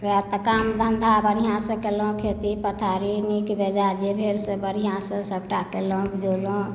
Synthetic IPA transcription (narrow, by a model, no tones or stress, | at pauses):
ʋt̪əkamd̪ʱənd̪ʱabəɾijãsəkelõkʰet̪ipət̪ʰaːɾinikbed͡ʒad͡ʒebʱeɾsəbəɾijãsə̃səbʈakelõkd͡ʒolõ